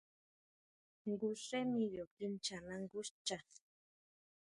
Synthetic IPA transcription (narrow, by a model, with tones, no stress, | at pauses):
ŋɡuse˦miɾo˨ki˦nt͡ʃana˦ŋɡu˦st͡ʃa